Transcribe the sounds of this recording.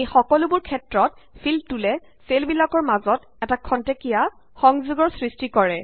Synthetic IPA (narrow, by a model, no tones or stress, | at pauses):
ejxɔkɔlʊbʊɹkʰɛtɹɔt̚pʰiltulɛ | selbilakɔɹmazɔt | ɛtakʰːɔntekija | xɔŋzuɡɔɹsɹistikɔɹɛ